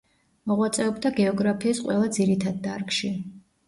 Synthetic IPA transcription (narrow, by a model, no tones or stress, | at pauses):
mɔʁwat̪sʼɛɔbd̪aɡɛɔɡɾapʰiːsqʼwɛlˠad̪ziɾit̪ʰad̪ːaɾkʼʃi